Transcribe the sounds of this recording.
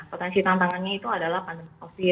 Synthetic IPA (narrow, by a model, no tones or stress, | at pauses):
pot̪ɛnsit̪aŋt̪aŋanɲait̪uadalahpandəŋosi